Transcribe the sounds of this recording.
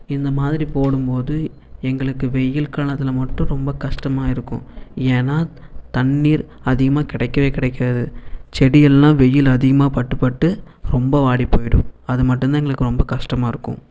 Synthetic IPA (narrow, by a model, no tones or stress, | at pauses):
ɪnd̪ɐmaːðɪɾipoːɽɯmpoːðɯ | ɛŋɡɐɭɯkːɯʋɛjːɪlkaːɳɐt̪ːɪlɐmɐʈːʊ̃ɾɔmbɐkɐʂʈɐmaːɪɾɯkːʊ̰̃eːnaːt̪ɐɳːiːɾɐðɪɣɐmaːkɪɽɐɪkːɐʋeːkɪɽɐɪkːɪɾɐðɯt͡ʃɛɽɪjɛlːãːʋɛjːɪlɐðɪɣɐmaːpɐʈːɯpːɐʈːɯɾɔmbɐʋaːɽipːoːjɪɽɯ̰̃ɐðɯmɐʈːɯ̃nd̪aːɛŋɡɐɭɯkːɯɾɔmbɐkɐʂʈɐmaːɪɾɯkːʊ̰̃